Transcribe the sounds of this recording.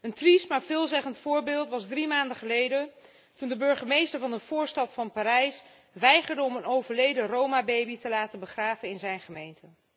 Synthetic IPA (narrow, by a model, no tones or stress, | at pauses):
əntristmaːɹvɪːlˠzɛχəntfʊːɹbɪːlˠtʋɑzdrimaːndəχəlejdən | tundəbɵɹχəmejstəɹvɑnəv̥ʊːɹstɑtfɑnpaːɾɛjs | ʋɛjχəɹdəɔmənowvəɹlejdərowmabejbitəlaːtənbəχraːvənɪnzɛjnχəmejntə